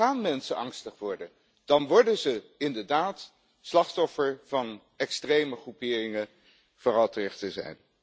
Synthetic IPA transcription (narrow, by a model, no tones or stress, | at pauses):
aːnmɛnsənɑŋstəχʋɔɹdən | d̥ɑnʋɔɹdənzəɪndəɹdaːt | slɑχtɔfəɹv̥ɑn | ɛkstrejməχrupɪːrɪŋə | v̥oːrɑlˠtərɪχtəzɛ̰jn